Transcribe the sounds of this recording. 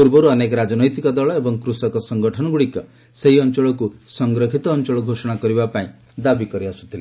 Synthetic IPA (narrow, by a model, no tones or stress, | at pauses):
puɾbɔɾuɔnekɔɾad͡ʒɔnɔjt̪ikɔd̪ɔɭɔebɔŋkɾusɔkɔsɔŋɡɔʈʰɔnɔɡuɽikɔ | seɦiɔnt͡ʃɔɭɔkusɔŋɡɾɔkʰit̪ɔːnt͡ʃɔɭɔɡʱosɔɽ̃akɔɾibapaĩ | d̪abikɔɾiasu̥t̪ʰile